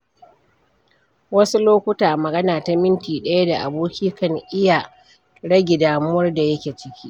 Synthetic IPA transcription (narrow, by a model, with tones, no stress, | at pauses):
wɐ˦su˦loː˦kʷʊ˦taː˨mɐ˨ɡɐ˦naː˨ta˨mɪ˦ntiː˨ɗɐ˦ja˦da˨ʔa̰˨boː˦kʲiː˦kɐ˦ŋʔɪ˦jaː˨ | ɽɐ˦ɡʲe˨daː˨mʊ˦wɐ˦rda˨jɐ˦kʲeː˨t͡ʃɪ˦kʲiː˦ʔ